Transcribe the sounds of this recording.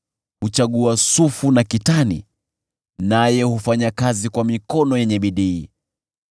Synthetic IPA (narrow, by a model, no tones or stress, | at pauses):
hut͡ʃaɠuasufunakitanḭ | najɛhufaɲakazikwamikɔnɔjɛɲɛɓiɗiː